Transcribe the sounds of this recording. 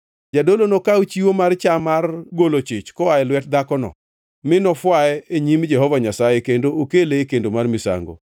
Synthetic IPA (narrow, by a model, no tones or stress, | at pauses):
d͡ʒadolonokawt͡ʃiwomart͡ʃamarɡolot͡ʃɪt͡ʃkɔaɛlwɛt̚d̪akɔnɔ̰ | mɪnɔfwaɛeɲimd͡ʒɛhɔvaɲasajekendookelekendomarmɪsa̰ŋɡo̰